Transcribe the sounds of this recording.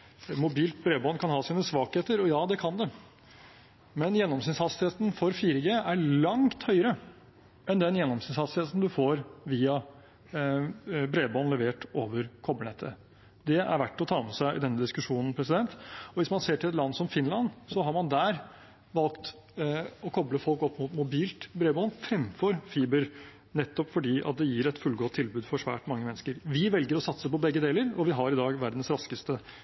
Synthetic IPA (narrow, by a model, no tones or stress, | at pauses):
mʊbiːlt̪̚bɾeːbɔnkʰɑnhɑːsiːnəsʋɑːkheːt̪əɾɔjɑːd̪ɛkʰɑnd̪ɛ | mɛnjɛnːɔmsɪnsɑt̪st̪ɪheːt̪n̩fɔɾfiːɾəɡeːæɾlɑŋt̪hœʏəɾə | ʔɛnd̪ɛnjɛnːɔmsɪnsɑt̪sɪheːt̪n̩d̪ʉfoːɾʋiːɑ | bɾeːbɔnlɛʋeːʈoːʋəɾkʰɔbəɳɛt̪ʰːə̰ | d̪ɛæ̰ɾʋæʈːɔt̪ʰɑːmɛsæɪʔɪ̰d̪ɛnːəd̪ɪskʉʂuːnn̩pʰɾɛsɪd̪ɛnt̪ɔʋɪsmɑnseːʈʰɪlɛt̪lɑnːsɔmfɪnlɑnsɔɦɑɾmɑnd̪æːɾ | ʋɑlkt̪ | ɔkʰɔbləfɔlkɔpːmʊt̪mʊbiːlt̪bɾeːbɔːnfɾɛmfɔɾfiːbəɾ | nɛt̪ːɔpfɔɖiːʔɑ̰t̪̚d̪ɛjiːɾɛt̪fʉlɡoːt̪ʰːɪlbʉːd̪fɔʂʋæ̰ːʈmɑŋːəmɛnːəskəɾʋɪʋɛlɡəɾɔsɑt̪səpɔbɛɡːəd̪eːləɾɔʋɪɦɑɾɪd̪ɑːɡʋæɾd̪n̩sɾɑskəst̪ə